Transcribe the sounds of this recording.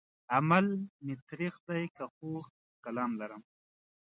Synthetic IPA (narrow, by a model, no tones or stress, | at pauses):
amalmet̪ɾiqd̪ajkaxuː | kalɑːmlaɾəm